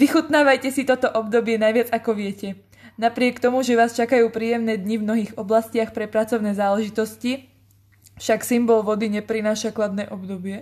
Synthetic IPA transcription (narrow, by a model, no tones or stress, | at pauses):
ʋixut̪naːʋajcɛsit̪ɔt̪ɔʔɔbd̪ɔbɪɛnajʋɪad͡zakɔʋɪɛcɛ | napɾɪɛkt̪ɔmuʒɛʋaːst͡ʃakajuːpɾiːjɛmnɛːd̪ɲivmnɔɦiːɣɔblascɪaxpɾɛpɾat͡sɔʊnɛːzaːlɛʒit̪ɔsci | fʃaksimbɔlʋɔd̪iɲɛpɾinaːʃaklad̪nɛːʔɔbd̪ɔbɪɛ